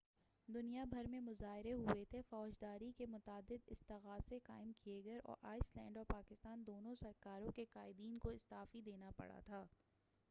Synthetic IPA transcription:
d̪ʊnijabʱɐɾmẽmʊzaːɦɪɾeɦʊet̪ʰefɔːd͡ʒd̪aːɾikemʊt̪aːd̪ɪd̪ɪst̪ɐɣaːsekaːɪmkieɡɐɾʔɔ̰ːɾʔaːɪslɛ̰̃ːɳɖɔːɾpaːkɪst̪aːnd̪oːnõsɐɾkaːɾõkekaːɪd̪iːnkoɪst̪aːfid̪eːnapɐ̰ɽa̰t̪ʰaː

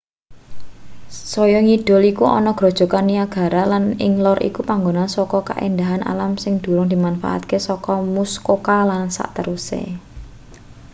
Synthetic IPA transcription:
sɔjɔŋiɖ̥ɔ̤likuʔɔ̰nɔɡ̥ɾɔ̤d̥ʒ̥ɔ̤kanːiaɡ̥a̤ɾalanɪŋlɔrḭkupaŋɡonansɔkɔka̰ʔend̪aɦanʔa̰lamsɪŋd̪̥ṳɾʊŋd̪̥i̤manfa̰ʔa̰t̪̚kesɔkɔmuskokalansa̰ʔt̪əɾusḛ

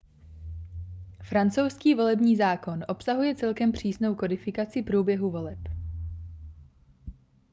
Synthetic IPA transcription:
fɾant͡sowskiːvo̞lɛbɲiːzaːko̞nʔo̞psaɦujɛt͡sɛlkɛmpr̝̥iːsno̞wko̞dɪfɪkat͡sɪpɾuːbjɛɦuvo̞lɛp

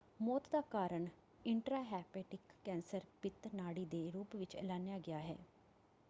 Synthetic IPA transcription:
mɔːt̪d̪aːkaːɾəɳ | ɪɳʈɾaːɦɛːpeːʈɪkːɛ̃ːnsəɾpɪt̪naːɽiːd̪eːɾuːpʋɪt͡ʃɛ̰ːlaːnejaːɡɪaːɦɛ̰ː

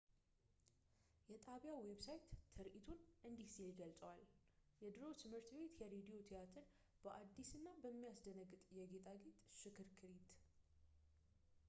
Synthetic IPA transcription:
jɛt̪ʼaβjaweβsajt̪ːʰɨɾʔit̪ʰunʔɨnd̪ihsilɡəlsʼəwal | jɛd̪ɨɾot̪ʰɨmhɨɾt̪ʰbe̞t̪jɛɾed̪ijo̞t̪ʰijat̪ʰəɾ | b̥əʔad̪ːisɨnːabəmːijasd̪ənəɡːɨt̪ʼjɛɡe̞t̪ʼaɡet̪ʼʃɪkʰɨɾkʰɨɾit̪

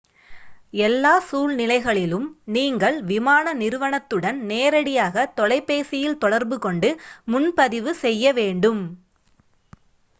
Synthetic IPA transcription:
ɛlːaːsuːɭnɪlɐɪɣɐɭɪlɯmniːŋɡɐɭʋɪmaːnɐnɪɾɯʋɐɳɐt̪ːɯɽɐnneːɾɐɽɪjaːɣɐt̪ɔlɐɪpːeːsɪjɪlt̪ɔɽɐɾbɯkɔɳɖɯmʊnpɐðɪʋɯsɛjːɐʋeːɳɖɯm

